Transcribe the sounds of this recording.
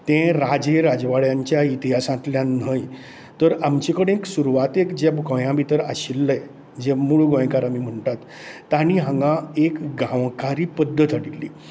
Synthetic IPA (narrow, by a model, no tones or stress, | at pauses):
t̪ẽɾad͡ʑeɾad͡zʋaɭjaɲt͡ɕjait̪iɦasãt̪ljãnəj | t̪əɾamt͡ɕikəɽ̃eksuɾuʋat̪ekd͡ʑebɡɔ̃jãbit̪əɾaɕilːəj | d͡ʑemuɭɡɔ̃jkaɾamiːm̤əɳʈat̪ː | añiɦãŋɡãekɡãwkaɾiːpəd̪ʱːət̪aɽilːḭː